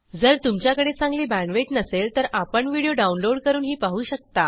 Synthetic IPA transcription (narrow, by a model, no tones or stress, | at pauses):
d͡zəɾt̪umt͡ɕjakəɽet͡sãŋɡliːbæ̃ɳʋeʈnəselt̪əɾapəɳʋiɽijoɖaunloɽkəɾuːnɦiːpaɦuːɕək̚t̪a